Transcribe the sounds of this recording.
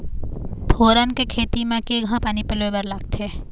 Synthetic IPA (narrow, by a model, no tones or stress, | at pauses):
pʰoːɾənkekʰeːt̪imẽkeːɡʱãpaːnipɪlʋebəɾlaɡ̚t̪eː